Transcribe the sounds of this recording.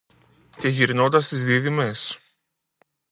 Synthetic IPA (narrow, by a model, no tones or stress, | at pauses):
ce̞ʝiɾno̞nd̪ɐst̪izðiðime̞s